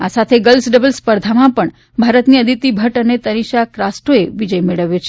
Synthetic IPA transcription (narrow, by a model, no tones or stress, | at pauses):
asat̪ʰeɡəlsɖəbəlspəɾd̪ʱamãpəɳ | bʱaɾət̪niəd̪ʱit̪ːibʱəʈənet̪əɾiʃakɾasʈoeʋid͡ʒəjmeɭəʋjot͡ʃʰe